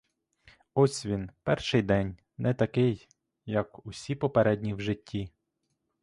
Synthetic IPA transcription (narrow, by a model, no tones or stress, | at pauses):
ɔsʲʋʲinpɛrʃɪjd̪ɛnʲ | nʔɛt̪ɐkɪjː | ɐkʊsʲipɔpeɾɛdʲnʲiwʒɪtʲːi